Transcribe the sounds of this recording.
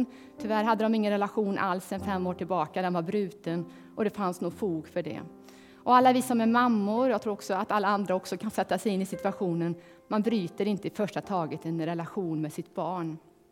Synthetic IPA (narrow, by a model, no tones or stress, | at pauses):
t̪ʰʏvæɾɦad̪ːəd̪ɔmɪŋːənɾɛlaɧuːnʔa̰lsɛnfɛmːoːʈʰɪlbɑːkad̪ɛɔnvaɾbɾʉ̟ːt̪ən | ʔɔd̪ɛfansnuːɡfuːɡfœɖɛ̰ | ʔɔalːavɪsːamɛmamːʊɾjaɡt̪ʰɾuːɾɔksɔat̪alːaand̪ɾaɔksɔkʰansɛt̪ːasɛjɪnːɪsɪt̪ʉaɧuːnən | manbɾyːt̪əɾɪnt̪əɪfœʂʈat̪ʰɑːɡət̪ɛnɾɛlaɧuːnmɛsɪt̪b̥ɑːɳ